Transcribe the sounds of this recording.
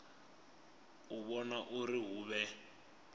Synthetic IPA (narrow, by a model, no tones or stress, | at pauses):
uβɔnaʔuriɦuːβɛ